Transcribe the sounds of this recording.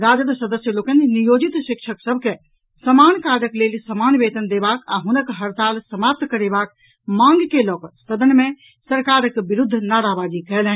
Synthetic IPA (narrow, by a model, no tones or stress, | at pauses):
ɾad͡ʒəd̪səd̪əsjəlokənnijod͡ʒit̪ʃikt͡ʃʰəksəbʱke | səmankaɾəklelsəmanbet̪ənd̪ebaka̰ɦunəkɦəɾt̪alsəmap̚t̪kəɾebak̚ | mãŋɡkelɔkst̪əd̪ənme | səɾkaɾəkbiɾud̪ʱːnaɾabad͡ʒikɛɦlɛ̃n